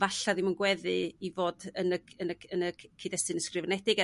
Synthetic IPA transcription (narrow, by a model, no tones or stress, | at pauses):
vaɬaðɪmunɡwɛðɨivoːdənəənəənəkʰidɛstɨnəskrɪvənɛdɪɡɛ